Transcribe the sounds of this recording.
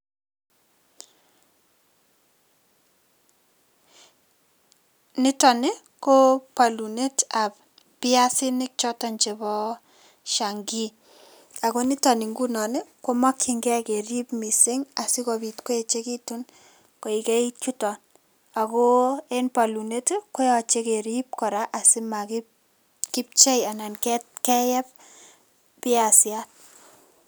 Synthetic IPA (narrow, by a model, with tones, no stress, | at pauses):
nɪ˦tɔ˨nɪ˦ | ko˦pa˨lu˨ne˦ta˨p | pɪa˦sɪ˦nɪ˦k̚t͡ʃɔ˦tɔ˨nt͡ʃe˨bɔ˦ | ʃa˨ŋɡi˦ | a˨ko˦nɪ˦tɔ˨nɪ˨ŋɡu˦nɔ˨nɪ˦ko˦ma˦kːi˨ŋɡɛ˦ke˨ɾi˦pmi˨se˦ŋa˨si˦kɔbi˨tko˦e˨t͡ʃe˦ki˦tu˦n | ko˨ike˦it͡ʃu˦tɔ˨n | a˨ko˦e˦npa˨lu˨ne˦tko˦jɔ˨t͡ʃe˦ke˨ɾi˦p̚kɔ˨ɾa˦ʔa˨sɪ˦ma˨ki | ki˦p̚t͡ʃe˦ja˨na˨nkɛtkɛ˦jɛ˦p̚ | pɪ˦a˨sja˦t̚